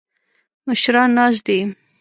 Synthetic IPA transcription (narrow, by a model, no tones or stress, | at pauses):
məʃɾɑnːɑz̬d̪e